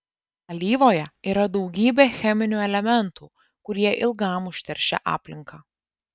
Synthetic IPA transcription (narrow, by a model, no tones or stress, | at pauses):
ɐlʲiːʋoːjɛiːɾɐd̪ɒʊɡʲiːbʲeːxʲɛmʲɪnʲuːɛlʲɛmʲɛnt̪uː | kʊɾʲiɛʔɪlˠɡɑmʊʃʲt̪ʲɛɾʲʃʲɛ̰ʔɑ̰ːpʲlʲɪŋkɑː